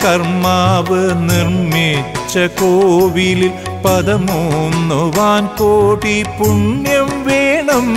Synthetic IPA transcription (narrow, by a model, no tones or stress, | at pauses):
kɐrmaːʋɨnirmet͡ɕːɐkoːʋilil | pɐðɐmuunːɨʋaːnkoːʈːipuɳjɐmʋeːɳɐm